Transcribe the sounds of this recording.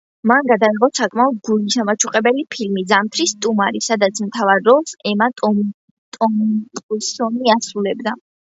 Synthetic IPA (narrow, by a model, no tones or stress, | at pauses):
manɡad̪aiʁɔsakʼmaɔd̪̚ɡulisamat͡ʃʰuqʼɛbɛlipʰilmid̪zamt̪ʰɾist̪ʼumaɾisad̪at̪sʰmt̪ʰavaɾːɔlˠsɛmat̪ʼɔm | t̪ʼɔmt̪ʼusɔniasɾulɛbd̪a